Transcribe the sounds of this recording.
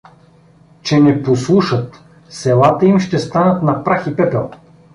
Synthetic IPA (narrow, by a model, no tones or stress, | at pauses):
t͡ʃɛnɛposlˠuʃət̪ | sɛlˠat̪əimʃt̪ɛst̪anət̪nɐpɾaxipɛpɛlˠ